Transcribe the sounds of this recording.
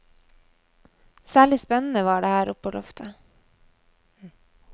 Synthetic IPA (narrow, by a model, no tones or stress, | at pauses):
sæːɭɪspɛnn̩əʋɑːɖeːhæːɾʔʊpoːlɔft̪ʰə